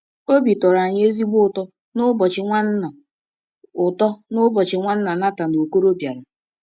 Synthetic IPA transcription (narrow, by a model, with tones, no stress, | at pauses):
o˦bi˨tɔ˨ɾa˨ɲ˦e˦zi˦ɡ͡bʊ˦ʊ˨tɔ˦ | nʊ˦bɔ˨t͡ʃɪ˨ŋʷa˦n̩˦a˨ | ʊ˨tɔ˦nʊ˦bɔ˨t͡ʃɪ˨ŋʷa˦n̩˦na˨na˦ta˨no˨ko˦ɾo˦bja˨ɾa˨